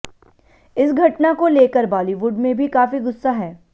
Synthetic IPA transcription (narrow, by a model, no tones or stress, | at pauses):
ɪsɡʱɐʈnakoleːkəɾbaːliʋʊɖmẽbʱikaːfiɡʊsːaɦɛː